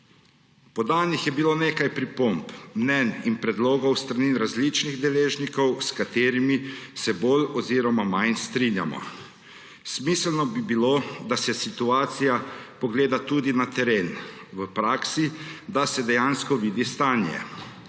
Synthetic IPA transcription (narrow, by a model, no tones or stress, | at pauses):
pɔd̪aːnixjɛbiloːneːkajpɾipompmnɛninpɾɛd̪loːɡɔwst̪ɾaninɾazlit͡ʃniɣd̪ɛleːʒnikɔwskat̪eːɾimisɛbolɔziːɾɔmamajnst̪ɾinja̰mɔ̰ | smislnɔbibiloːd̪asɛsit̪uaːt̪sijapɔɡleːd̪at̪ud̪inat̪ɛɾeːn | ʋəpɾaːksid̪asɛd̪ɛjaːnskɔʋiːd̪ist̪aːnjɛ̰